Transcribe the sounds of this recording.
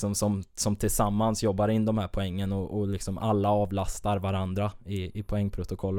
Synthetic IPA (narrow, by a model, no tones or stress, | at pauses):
sɔmsɔmsɔmt̪ʰɪlsamːansjɔbːaɾɪnːd̪ɔmhæːɾpʰɔɛŋːənɔʔɔlɪksɔmʔa̰lːaɑːvlast̪aɾvaɾand̪ɾaɪɪpʰʊɛŋːpʰɾʊt̪ʊkʰɔlː